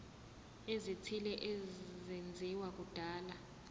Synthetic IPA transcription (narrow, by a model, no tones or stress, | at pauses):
ezitʰilɛʔɛzend͡zʱiwak̬ud̥ʱaːla